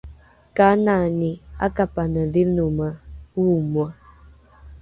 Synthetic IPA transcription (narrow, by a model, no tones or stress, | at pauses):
kanania̰kapanəlinuməwumwə